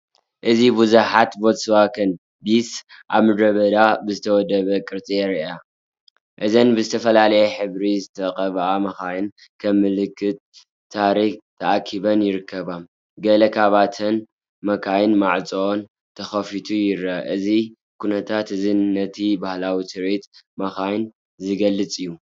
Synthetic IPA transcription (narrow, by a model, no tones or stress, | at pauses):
ʔɨzibuzuħat̪bot̪sɨβakʰɐn | bisʔa̰βmɨd̪ɾɐβɐd̪abɨzɨt̪ʰɐwɔd̪ɐβɐkʼɨɾt̪ʼeɾa | ʔɨzɐnbɨzɨt̪ʰɐfɐlalɐjɛħɨβɾizɨt̪ʰɐqʼɐβʔamɐxajɪn | kʰɐmːɨlɨkʰːɨt̪̚ʰː | aɾikt̪ʰɐʔakʰːiβɐnjɪɾɨkʰːɐβam | ɡɐlɐkʰaβat̪ʰɐn | mɐkʰajnmaʕt͡sʼoon | t̪ʰɐxɐfit̪ʰujɪɾɐʔɨzi | kʰunɐt̪ʰat̪ɨzinːɐt̪ʰibahlawisɨɾet̪mɐxajn | zɨɡɐlːɨt͡sʼɨjːu